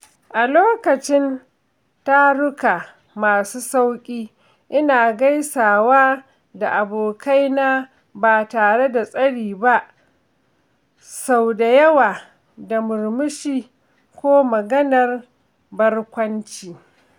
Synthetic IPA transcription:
ʔa˨loː˦kɐ˨t͡ʃɪ˦n | ta˦ɽʊ˦ka˨ | maː˨suː˦sa˦wkʲʼiː˦ | ʔɪ˦naː˨ɡa˦jsaː˨waː˦ | da˨ʔa˨boː˨kʰa˦jnaː˦ | baː˨taː˨ɽe˦da˨sʼɐ˦ɽiː˨ba˦ʔ | sa˦˨wda˨jɐ˦waː˨ | da˨mʊ˨ɾmʊ˦ʃiː˦ | kʷoː˦mɐ˨ɡɐ˦nɐ˨r | bɐ˦rkʷɐ˦nt͡ʃiː˨

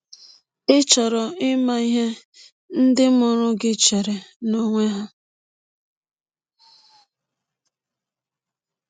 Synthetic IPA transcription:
ɪ˦t͡ʃɔ˨ɾɔ˨ɪ˦ma˦i˦ɦe˦ | n̩˦dɪ˦mʊ˨ɾʊ˦ɡɪ˦t͡ʃe˨ɾe˨no˦ŋʷe˦ɦa˦

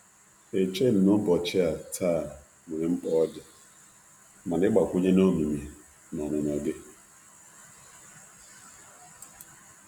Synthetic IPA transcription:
e˨t͡ʃe˦d̩˨nʊ˦bɔ˨t͡ʃɪ˦a˨tʰaː˦˨ | wu˨ɾe˨ŋ͡m̩˦k͡pɔ˦ɔ˦dɪ˨ | ma˨n˨ɪ˦ɡ͡ba˨kʷʊ˦ɲe˦no˦mu˨m˨e˨ | nɔ˨me˨n˨ɔ˨dɪ˦

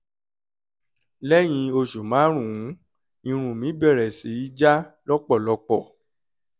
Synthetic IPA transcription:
lɛ˦j̃ĩ˧o˧ʃo˨mãː˨˦ɾ̃ũ˨ũ˨˦ | ĩ˧ɾ̃ũ˨mĩ˨˦bɛ˦˨ɾɛ˨si˨˦i˦d͡ʒa˦lɔ˦k͡pɔ˦˨lɔ˧k͡pɔ˦˨

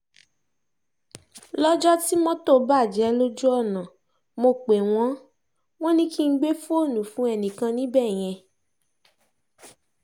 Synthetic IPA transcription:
lɔ˦d͡ʒɔ˦ti˦mɔ̃˦to˦˨˦ba˦˨d͡ʒɛ˨˦lo˦d͡ʒu˦ɔ˦˨nã˨ | mo˧k͡pe˨w̃ɔ̃˨˦ | w̃ɔ̃˦nĩ˦ki˦ŋ̩˦ɡ͡be˦fo˦˨nũ˨˦fũ˨˦ɛ˧nĩ˨kã˧nĩ˦bɛ˦˨j̃ɛ̃˧

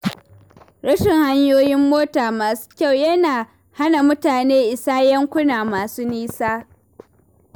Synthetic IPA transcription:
ɾɐ˦ʃɪ˨ŋha˦ɲjoː˦jɪ˦mːoː˦taː˨maː˨su̥˦kʲa˦˨wjɐ˦naː˨ | ha˦na˨mʊ˦taː˨neː˦ʔɪ˨saː˦jɐ˦ŋkʷʊ˦naː˨maː˨suː˦niː˦saː˦

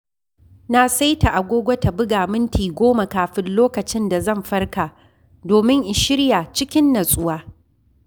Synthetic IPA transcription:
na˦sa˦jta˨ʔa˨ɡʷoː˦ɡʷɐ˦ta˨bʊ˦ɡaː˨mɪ˦ntʰiː˨ɡʷoː˦ma˨kaː˨ɸɪ˦nloː˦kɐ˨t͡ʃɪ˦nda˨zɐ˦˨mɸɐ˦rkaː˨ | doː˨mɪ˦ŋʔɪ˨ʃɪ˦ɽja˨t͡ʃɪ˦kʲɪ˦nːɐ˨sʼʊ˦waː˦

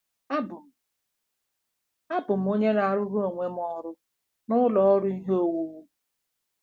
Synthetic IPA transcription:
a˦bʊ˨ | a˦bʊ˨m̩˨˦o˦ɲe˦na˨ɾʊ˦ɦo˨ŋʷe˦m˦ɔ˦ɾʊ˦ | nʊ˦lɔ˨ɔ˦ɾʊ˦i˦ɦo˦˨wu˨wu˦

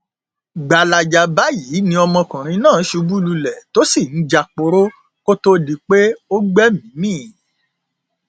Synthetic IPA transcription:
ɡ͡ba˨la˨d͡ʒa˧ba˨˦jiː˨˦nĩ˧ɔ˧mɔ̃˧kã˨ɾ̃ĩ˧nãː˦˨˦ʃu˨˧bu˦lu˧lɛ˨to˦si˦˨n̩˨˦d͡ʒa˧k͡po˧ɾo˦ | ko˦to˦di˧k͡pe˦o˦ɡ͡bɛ˦mĩ˨˦mĩː˦˨

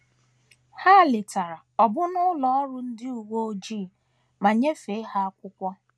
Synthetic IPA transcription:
ha˦˨lɪ˨ta˨ɾa˨ɔ˨bʊ˦nʊ˦lɔ˨ɔ˦ɾʊ˨n̩˦dɪ˦u˨wʷo˦o˦d͡ʒiː˦˨ | ma˨ɲe˦fe˨˦ɦa˦a˦kʷʊ˦kʷɔ˦

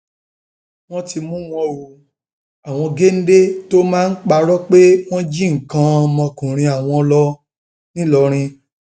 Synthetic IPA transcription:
w̃ɔ̃˦ti˧mũ˦w̃ɔ̃˧wu˧ | a˨w̃ɔ̃˧ɡe˦n̩˦de˦to˦mãː˦˧n̩˦k͡pa˧ɾɔ˦k͡pe˦w̃ɔ̃˦d͡ʒi˦ŋ̩˨kã˧ɔ˧mɔ̃˧kũ˨ɾ̃ĩ˧a˨w̃ɔ̃˧lɔ˧ | nĩ˦lɔ˧ɾ̃ĩ˧

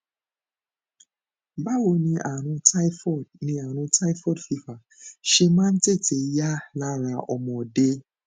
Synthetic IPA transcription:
ba˦wo˧˨nĩ˧ʔa˨ɾ̃ũ˧ta˦i˦fɔ˦˨d̚nĩ˧a˨ɾ̃ũ˧ta˦i˦fɔ˦˨dfi˧fa˨ | ʃe˧mãː˦n̩˦te˦˨te˧˨ja˦la˦ɾa˧ɔ˧mɔ̃˨de˦

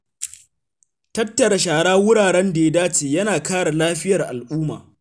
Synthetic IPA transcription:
tɐ˦tːɐ˨ɾa˨ʃaː˨ɽaː˦wʊ˦ɽaː˨ɽɛ˦nda˨je˦daː˦t͡ʃeː˨jɐ˦naː˨kaː˦ɽa˨laː˦ɸɪ˦jɐ˨rʔa̰˨lʔuː˦ma̰ː˨

